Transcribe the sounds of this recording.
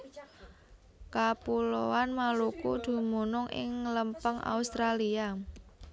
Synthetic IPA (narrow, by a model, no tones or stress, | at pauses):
kapulowanmalukud̪̥ṳmunʊŋʔɪ̰ŋləmpəŋa̰ust̪ɾalia